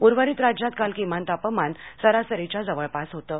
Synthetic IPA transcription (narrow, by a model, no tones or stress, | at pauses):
puɾʋəɾiːt̪ɾad͡ʑjat̪̚kalkim̤ant̪apəmansəɾasəɾit͡ɕad͡zəʋəɭpasɦot̪ə